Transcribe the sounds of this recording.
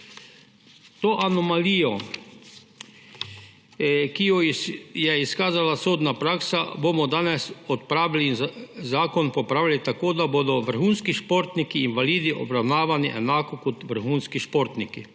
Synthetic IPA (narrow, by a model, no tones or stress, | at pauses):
t̪oʔanɔmaliːjɔ | kijɔjɛiskaːzalasoːd̪napɾaːksa̰boːmɔd̪aːnɛsɔt̪pɾaːʋilizaːkɔnpopɾaːʋilit̪akoːd̪aboːd̪ɔʋəɾ̩xuːnskiʃpoɾt̪nikiːnʋaliːd̪iʔɔ̰bɾawnaːʋaniʔɛnaːkɔkɔt̪ʋəɾxuːnskiʃpoɾt̪niki